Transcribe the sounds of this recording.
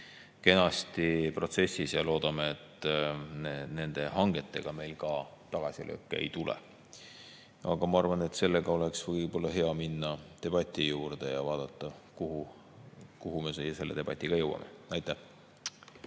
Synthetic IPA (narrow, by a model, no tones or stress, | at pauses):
ke̞nɑst̪ipro̞t̪se̞sːisjɑlo̞ːd̪̥ɑmeːt̪ːˑ | ene̞nd̪̥e̞hɑŋɡ̥e̞t̪ːˑe̞ɡ̥ɑme̞jlkɑt̪ɑɡ̥ɑsʲilʔø̰ːkːˑeḛjt̪ulɛ̰ | ʔɑɡ̥ɑmɑɑrvɑne̞t̪se̞lːe̞ɡ̥ɑo̞le̞ksvɤijb̥o̞lːɑɦe̞ɑminːɑt̪e̞b̥ɑt̪ʲːˑijuːrd̪̥e̞jɑvɑːd̪̥ɑt̪ˑːɑkuhu | kuɦume̞sejse̞lːe̞d̪̥e̞b̥ɑt̪ʲˑːiɡ̥ɑjɤwɑ̰mḛɑjt̪ːˑæh